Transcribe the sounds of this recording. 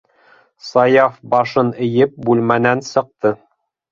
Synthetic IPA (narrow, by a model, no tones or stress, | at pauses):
sɑjɑfbɑʃɤnɘ̆jɘp̚bʉlmænænsɤ̆q̚t̪ɤ